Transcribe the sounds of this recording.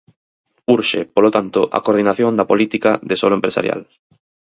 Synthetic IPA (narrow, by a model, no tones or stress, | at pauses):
uɾʃepolot̪ant̪oʔa̰koɾð̞inaθjõnd̪apolit̪ikaðesoloẽmpɾesa̰ɾja̰l